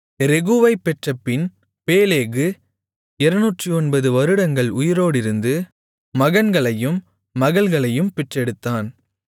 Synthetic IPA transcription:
ɾɛɣɯʋɐɪpːɛʈrɐpːɪn | peːleːɣɯ | ɪɾɐnuːʈrɯɔnbɐðɯʋɐɾɯɽɐŋɡɐɭʊjɪɾoːɽɪɾɯnd̪ɯ | mɐɣɐnɡɐɭɐjɯmː | ɐɣɐɭɣɐɭɐjɯmpɛʈrɛɽɯt̪ːaːn

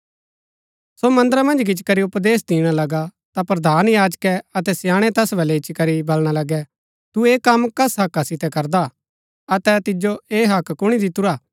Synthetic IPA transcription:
somɐ̃nd̪əɾamɐ̃nd͡ʒkɪt͡ʃkɐɾiʊpd̪eːs̬d̪iːɽ̃alɐɡa | t̪apɾɐd̪ʱaːnjaːd͡ʒkɛɐt̪ɛsjãːɽ̃ɛt̪ɛsbʱɐlɛɪt͡ʃikɐɾibɐlɽ̃alɐɡɛ | t̪ueːkɐmkɐsɦɐkːasɪt̪ɛkɐɾd̪a | ɐt̪ɛt̪ɪd͡ʒoeːɦɐkkʊɽ̃id̪ɪt̪uɾaː

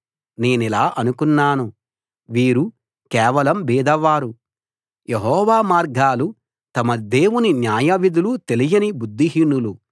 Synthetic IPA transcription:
ne̞ːnilaːʔɐnukunːaːnu | ʋiːɾu | kɛːʋɐlɐmbiːd̪ɐʋaːɾu | jeɦɔːʋaːmaːɾɡaːlu | t̪ɐmɐd̪e̞ːwuninjaːjɐʋid̪ulut̪e̞lijɐnibud̪ːiɦiːnːulu

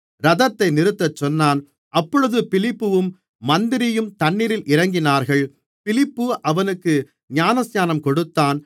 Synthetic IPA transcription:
ɾɐðɐt̪ːɐɪnɪɾɯt̪ːɐt͡ʃːɔnːaːn | ʔɐpːɔɻɯðɯpɪlɪpːɯʋɯmː | ɐnd̪ɪɾɪjɯmt̪ɐɳːɪɾɪlʔɪɾɐŋɡɪnaːɾɣɐɭ | pɪlɪpːɯʔɐʋɐnɯkːɯ | ɲaːnɐsjaːnɐmkɔɽɯt̪ːaːn

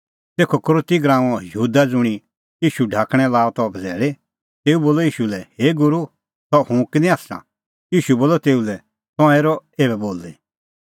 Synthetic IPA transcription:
t̪eːkʰɔkɾoːt̪iɡɾãːɔ̃jəuːd̪ad͡zʊɽ̃i | iːʃuɖʱaːkɽ̃ɛ̃laːɔt̪ɔbd͡zɛːɭe | t̪eːuboːlɔiːʃulɛheːɡʊɾu | t̪ɔhũkɪnĩaːssã̰ | iːʃuboːlɔt̪eːulɛ | t̪ɔ̃ãeːɾɔeːbɛboːle

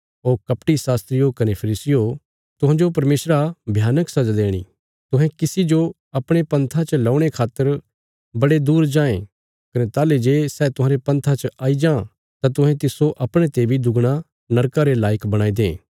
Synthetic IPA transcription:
oːɾkɐpʈisaːst̪ɾɪjokɐnepʰɐɾiːsɪjo | t̪ʊɦãːd͡ʒopɐɾmeːsɾabʱjaːnəksɐd͡ʒad̪eːɽ̃ḭ | t̪ʊɦɛ̃kɪsid͡ʒo | ɐpɽ̃epɐ̃nt̪ʰãt͡ʃɐlaːʊɽ̃ekʰaːt̪ːəɾ | bɐɽed̪uːɾd͡ʒãːẽ | kɐnet̪aːled͡ʒeːsɛːt̪ʊɦãːɾepɐ̃nt̪ʰat͡ʃʔaːid͡ʒãː | t̪at̪̬ʊɦɛ̃t̪ɪsoʔɐpɽ̃ẽt̪eːbʱid̪ʊɡɽ̃a | nɐɾkaɾelaːjəkbɐɽ̃aːid̪ḛ̃ː

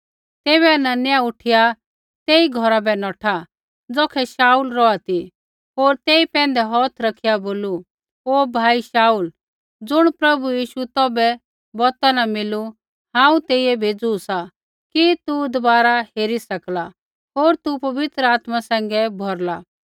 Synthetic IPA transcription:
t̪eːβɛananjaʊʈʰɪja | t̪eːiɡʱɔɾabɛnɔːʈʰa | d͡zɔːkʰɛʃaːuːlɾɔat̪i | oːɾt̪eːipɛ̃ːnd̪ɛɦɔːt̪ʰɾɐkʰɪjaboːlu | oːbʱaːiʃaːuːl | d͡zʊɽ̃pɾɐbujiːʃut̪ɔːbɛ | bɔːt̪anamɪlu | hãːũt̪eːiɛbʱeːd͡zusa | kit̪ud̪ɔbaːɾaheːɾisɐkla | ɦoːɾt̪upɐʋɪt̪ɾəaːt̪masɛ̃ːŋ̆ɡɛbʱɔɾla

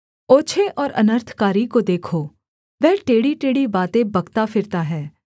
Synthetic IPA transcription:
oːt͡ʃʰeʔɔːɾɐ̰nəɾt̪ʰkaːɾikod̪eːkʰoː | ʋɛːʈeːɽiʈeːɽibaːt̪ẽbɐɡt̪afʰɪɾt̪aɦɛː

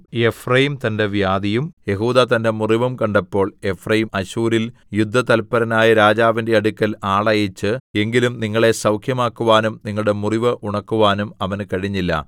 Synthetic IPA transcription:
je̞frɐjimt̪ɐnde̞ʋjaːd̪ijumje̞ɦuːðat̪ɐnde̞muriʋɐmkɐɳɖɐpːo̞ːɭe̞frɐjimɐɕuːɾil | jud̪ʱːɐt̪ɐlpːɐɾɐnaːjɐɾaːd͡ʑaːʋinde̞ɐɽukʲːɐlaːɭɐjit͡ɕːɨe̞ŋɡilumniŋːɐɭe̞sɐwkʰjɐmaːkːuʋaːnumniŋːɐɭɽe̞muriʋɨʔuɳɐkːuʋaːnumɐʋɐnkɐɻiɲːilːɐ̰

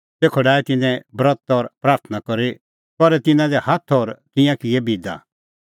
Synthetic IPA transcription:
seːkʰɔɖaːɛt̪ɪnɛ̃bɾɔt̪ɔɾpɾaːɾt̪ʰənakɔɾi | pɔɾɛt̪ɪnãd̪ɛhat̪ʰɔɾt̪ɪ̃jãkɪebʱid̪a̰

